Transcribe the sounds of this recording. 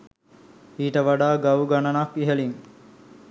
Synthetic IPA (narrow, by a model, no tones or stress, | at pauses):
iːʈəʋaɖaːɡawuɡanənakiɦəliŋ